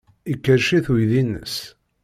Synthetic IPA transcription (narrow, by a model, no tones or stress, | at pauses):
ikːəɾʃiθujðinːə̰s